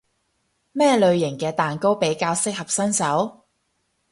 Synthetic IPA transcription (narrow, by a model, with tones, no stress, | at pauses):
mɛː˥lɵ˨˧ɥjɪ˨˩ŋkɛː˧t̪aː˨nko˥wpe˨˥jkaː˧wsɪ˥k̚hɐ˨p̚sɐ˥nsɐ˨˥w